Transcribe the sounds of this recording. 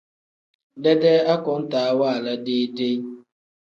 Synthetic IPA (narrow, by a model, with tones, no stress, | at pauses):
dɛ˦dɛ˦a˦kʊ˨˦n̩˦ta˨a˦wa˦˨la˦dɪ˦de˦